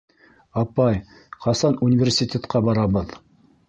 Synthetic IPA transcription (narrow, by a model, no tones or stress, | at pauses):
ɑpɑj | qɑsɑnunʲɪvʲersʲit̪ʲet̪qɑbɑɾɑbɤð